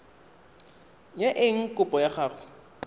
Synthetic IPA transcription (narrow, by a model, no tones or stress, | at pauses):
ɲɛʔɪŋ̩kʼʊpʼɔjaχaːχʊ̥